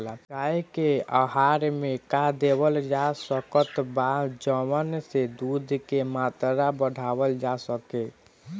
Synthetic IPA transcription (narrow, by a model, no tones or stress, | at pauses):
aekeəɦaɾmekad̪ebəld͡ʒasəkət̪bad͡ʒəmənsed̪ud̪ʱkemat̪ɾabəɽ̤ʱawəld͡ʒasəke